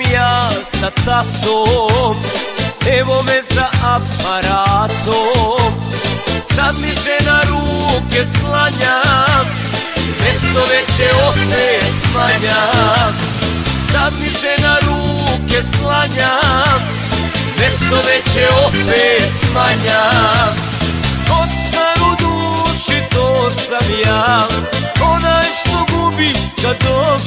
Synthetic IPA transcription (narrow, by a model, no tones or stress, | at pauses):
ijaːsat̪at̪omɛʋomɛzaʔapaɾaːt̪om | sad̪miʒɛnaɾuːkeslaɲa | mɛst̪oʋet͡ɕɛopeːt̪laɲa | sat̪isɛnaɾuːkeslaɲa | mest̪oʋet͡ɕɛpeːt̪maɲa | ost̪aɾud̪uːʃit̪oːsamjaː | onajʃt̪oɡubik̪ad̪o